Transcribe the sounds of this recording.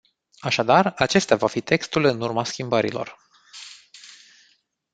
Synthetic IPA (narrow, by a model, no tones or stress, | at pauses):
aʃad̪arat͡ʃe̞st̪avafit̪ʰe̞kst̪ulɨnurmaskʲimbəɾḭlo̞̰r